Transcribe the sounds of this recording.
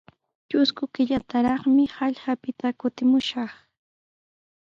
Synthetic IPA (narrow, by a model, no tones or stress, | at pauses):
t͡ʃʊskʊkɪʎat̪aɾɑχmɪhɑʎɢapɪt̪akʊt̪ɪmʊʃɑχ